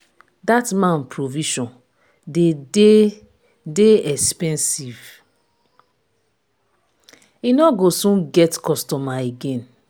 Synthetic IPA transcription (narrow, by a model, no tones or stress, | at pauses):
datmãnpɹoviʃɔ̃n | dede | deɛkspɛ̃nsiv | inɔɡosũnɡɛtkɔstɔmaeɡẽn